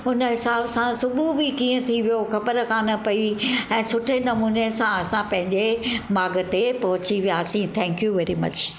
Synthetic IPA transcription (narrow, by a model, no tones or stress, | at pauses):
ʊnəɦɪsaːbsãsʊbubɪkiːə̃t̪ʰiʋijoxɐpəɾkaːnə̆pɐiɛ̃ːsʊʈʰenɐmuːnesãɐsãpɐ̃ɦɪ̃ɲd͡ʑemaːɡət̪epɐɦʊt͡ɕiʋijaːsĩt̪ʰɛ̃ːŋkjuʋɛːɾimɐ̰t͡ɕ